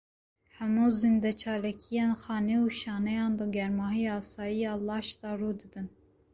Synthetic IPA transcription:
hɛmuːzind̪ɛt͡ʃʰɑːlɛkʰijeːnxɑːneuːʃɑːnɛjɑːnd̪ɔɡʲɛɾmɑːɦijɑːsɑːjijɑːlɑːʃt̪ɑːrud̪ɨd̪ɨn

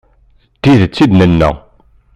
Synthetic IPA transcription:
t̪iðt͡sːid̪nənːæ̰

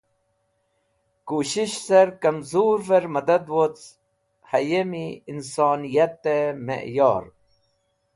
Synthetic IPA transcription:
kuɕiɕsɐɾkɐmzuːɾveɾmɐd̪ɐd̪wot͡s | hɐjemiinsɑːnijɐt̪ːemḛʔjɑ̰ːɾ

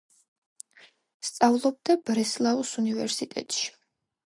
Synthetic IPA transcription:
st̪sʼavlˠɔb̚d̪ab̥ɾɛslˠausunivɛɾsit̪ʼɛ̰t̪ʼʃi̥

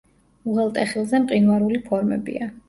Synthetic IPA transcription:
uʁɛlˠt̪ʼɛχilˠzɛmqʼinwaɾulipʰɔɾmɛ̰bḭa

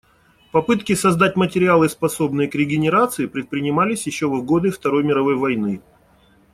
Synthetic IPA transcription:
pɐpɨt̪kʲɪsɐzd̪atʲmətʲɪɾʲɪalˠɨspɐso̞bnɨjəkɾʲɪɡʲɪnʲɪɾat̪sɨɪpɾʲɪt̪̚pɾʲɪnʲɪmalʲɪsʲjɪɕːo̞vvɡo̞d̪ɨft̪ɐɾo̞jmʲɪɾɐvo̞jvɐjnɨ

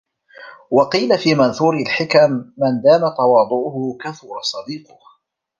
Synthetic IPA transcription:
wɑqiːlafiːmanθuːɾɪlħɪkamːand̪aːmat̪ɑwɑːd̪ˤʊʔʊhʊkaθʊːɾˤɑsˤɑd̪iːqʊh

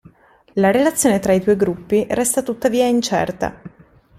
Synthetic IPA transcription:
laɾelat̪sːjoːnet̪ɾaid̪uːjɡɾupːirɛst̪at̪ut̪ːaviːaint͡ʃɛ̰rt̪a̰

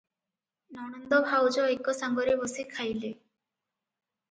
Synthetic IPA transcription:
nɔɽ̃ɔnd̪ɔbʱawd͡ʒɔejkːɔsaŋɡɔɾebɔsikʰajle

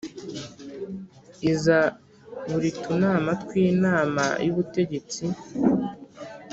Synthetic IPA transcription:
iza | βuɾitunaːmatkwiːnaːma̰juβute̞ɟe̞t͡si

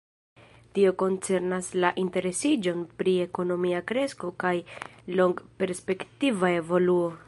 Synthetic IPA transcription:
tio̞ko̞nt͡se̞ɾnaslaʔinte̞ɾe̞sid͡ʒo̞npɾie̞ko̞no̞miakɾe̞sko̞kajlo̞ŋɡpe̞ɾspe̞ktivae̞vo̞luo̞

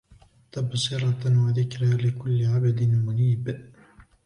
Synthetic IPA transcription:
t̪absˤɪɾˤɑwaðɪkɾalɪkʊlːɪʕabad̪ɪnmʊniːb

